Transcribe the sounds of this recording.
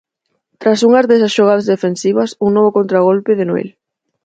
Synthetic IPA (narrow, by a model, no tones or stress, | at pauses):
t̪ɾasuŋɐzðesasʃoɣ̞aðɐzðefensiβɐsuŋnoβokont̪ɾaɣ̞olpɪðenoḛl